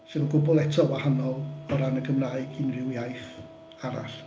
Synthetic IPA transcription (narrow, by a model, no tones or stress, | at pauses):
sɨnunɡʊbʊlˠɛtʰɔwahanɔlˠɔɾanəɡʰəmraːɨɡinrɪwjajθ | aɾa̰ɬ